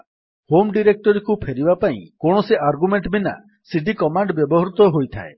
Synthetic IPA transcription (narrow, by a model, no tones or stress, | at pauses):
homɖiɾek̚ʈɔɾikupʰeɾibapaḭ̃kõɔseʔaɾɡumeɳʈbina̰ | siɖikɔmaɳɖbjɔbɔɦɾut̪ɔɦojt̪ʰa̰e